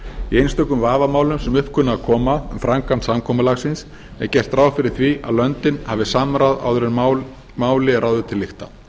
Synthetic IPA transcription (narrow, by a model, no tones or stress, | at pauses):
iejnst̪œkʏmvaːvamaːwlʏmsɛmʏhpkʰʏnːaakʰɔːmaðʏmfɾaŋkant̪samkʰɔːmʏlaɣsɪns | ɛ̰ɾcɛr̥t̪ɾaːwfɪɾɪɾ̥θviʔa̰ðlœnt̪ɪnhavɪsamɾaða̰wðʏɾɛɾ | maːwlɪrʔaːwðʏt̪ʰɪlːɪxt̪a̰